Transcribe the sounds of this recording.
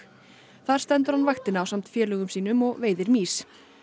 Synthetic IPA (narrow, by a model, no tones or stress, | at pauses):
θaðɾ̥st̪ɛnt̪ʏɾ̥hanvajxt̪ɪnawsamt̪fjɛːlœːɣʏmsiːnʏmɔɣveːjðɪɾmiːs